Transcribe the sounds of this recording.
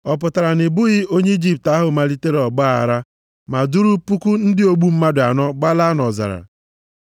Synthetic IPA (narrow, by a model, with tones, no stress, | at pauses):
ɔ˨p̬ʊ˨ta˨ɾa˨nɪ˨bʊ˦ɣɪ˦o˦ɲe˦i˦d͡ʒi˦p̚ta˦ɦʊ˨ma˨li˦te˦ɾe˦ɔ˨ɡ͡ba˦a̰˨ɾa˦ | ma˨du˦ɾu˦pu˦ku˦n̩˦dɪ˦o˦ɡ͡bu˦m̩˦ma˦dʊ˨a̰˨nɔ˦ɡ͡ba˦la˦nɔ˨za̰˨ɾa̰˨